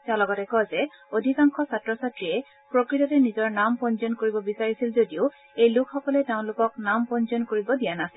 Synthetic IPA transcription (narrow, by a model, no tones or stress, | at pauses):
talɔɡɔtɛkɔzɛ | odʱikaŋkʰɔsatːɹɔsatɹiɛ | pɹokɹitɔtɛnizɔɹnampɔnzɔnkoɹibɔbisaɹisilzodioʊ | ejlʊkʰxɔkɔlɛteʊ̃lʊkɔk̚nampɔnzɔnkoɹibɔdijanasil